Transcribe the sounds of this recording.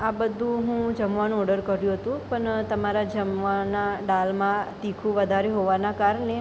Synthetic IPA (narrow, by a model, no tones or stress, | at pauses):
abəd̪ʱũɦũd͡ʒəmʋanũɔɖəɾkəɾjũɦət̪ũpəɳt̪əmaɾad͡ʒəmʋanaɖalmãt̪ikʰũʋəd̪ʱaɾeɦoʋanakaɾɳe